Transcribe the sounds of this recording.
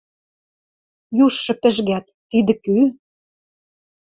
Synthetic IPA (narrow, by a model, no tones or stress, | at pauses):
juʃːɤ̆pɘ̆ʒɣæt̪ːid̪ɘ̆ky